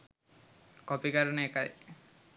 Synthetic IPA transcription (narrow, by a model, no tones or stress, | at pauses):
kɔpikaɾɔneekaj